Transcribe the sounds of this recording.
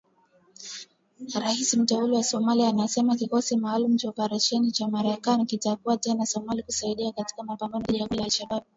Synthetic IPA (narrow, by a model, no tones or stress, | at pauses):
ɾahisim̩tɛuliwasɔmaliaːnasɛmakikɔsimaːlum̩t͡ʃaɔpaɾaʃɛnit͡ʃamaɾakanikitakuatɛnasɔmalikusaiɗiakati̥kamapambanɔʄaɡulalʃaɓaɓ̚